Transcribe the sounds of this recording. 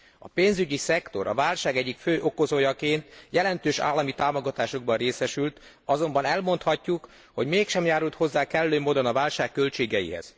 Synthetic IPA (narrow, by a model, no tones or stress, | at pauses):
ɒ̰peːnzyɟisɛkt̪o̞̰ɾʔɒ̰vaːlʃaːɡɛɟːikføːʔo̞ko̞zoːjɒkeːnt̪jɛlɛnt̪øːʃa̰ːlːɒmit̪aːmo̞ɡɒt̪aːʃoɡ̚bɒnreːsɛʃylt̪ | ɒzo̞mbɒnɛlmo̞nt̪hɒcːuk | ho̞ɟmeːkʃɛmjaːɾult̪ho̞zːaːkɛlløːmoːd̪onɒvaːlʃaːkːø̞lt͡ʃeːɡɛjḭɦɛ̰z̥